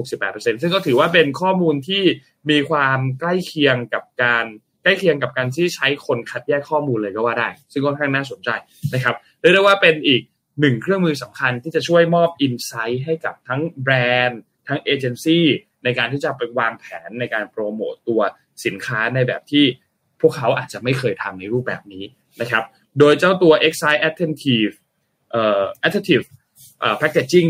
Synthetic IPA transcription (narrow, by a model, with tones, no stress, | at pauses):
ho˨˩k̚si˨˩pːɛː˨˩t̪̚p̚ːɤ˧se˧ns̬ɯ˥ŋkɔː˥˩t̪ʰɯː˩˦waː˥˩pe˧nkʰɔː˥˩muː˧nt̪ʰiː˥˩ | miː˧kʰwaː˧mkla˥˩jkʰi˧əŋka˨˩p̚kaː˧n | kla˥˩jkʰi˧əŋka˨˩p̚kaː˧nt̪ʰiː˥˩t͡ɕʰa˦˥jkʰo˧nkʰa˦˥t̪̚jɛː˥˩kʰːɔː˥˩muː˧nlɤː˧jkɔː˥˩waː˥˩daː˥˩jsɯ˥˩ŋkʰɔː˥˩nŋkʰa˥˩ŋnaː˥˩so˨˩˦nt͡ɕa˧j | na˦˥kʰɾa˦˥p̚dɯ˥˩ɾwaː˥˩pe˧nʔiː˨˩k̚ | nɯ˨˩ŋkʰɾɯ˥˩əŋmɯː˧sa˩˦mkʰa˧nt̪ʰiː˥˩t͡ɕa˨˩t͡ɕʰu˥˩əjmɔː˥˩p̚ʔi˧nsa˦˥jɦa˥˩jka˨˩p̚t̪ʰa˦˥ŋbɾɛː˧n | t̪ʰa˦˥ŋʔeː˧t͡ɕe˧nsiː˥˩ | na˧jkaː˧nt̪ʰiː˥˩t͡ɕa˨˩pa˧jwaː˧ŋpʰɛ̰ː˩˦nːa˧jkaː˧npɾoː˧mo̰ː˨˩t̪u˧ɐ | si˩˦nkʰaː˦˥na˧jbɛ̰ː˨˩p̚t̪ʰiː˥˩ | pʰu˥˩əkʰːa˦˥wʔaː˨˩t̪̚t͡ɕa˨˩ma˥˩jkʰɤː˧jt̪ʰa˧mna˧jɾuː˥˩p̚bɛ̰ː˨˩p̚niː˦˥ | na˦˥kʰa˦˥p̚ | doː˧jt͡ɕa˥˩wt̪u˧ɐʔe˦˥k̚sa˦˥jʔɛ˦˥t̪ʰːe˧nt̪ʰiː˧˩f | ʔɤː˨˩ʔɛ˦˥t̪ʰːe˦˥t̪ʰiː˨˩f | ʔəː˨˩pʰɛ˦˥k̚ːe˨˩t̪̚t͡ɕi˥˩ŋ